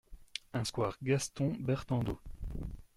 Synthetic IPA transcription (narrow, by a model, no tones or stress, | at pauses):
ɛ̃skwaʁɡast̪ɔ̃bɛʁt̪ɑ̃d̪o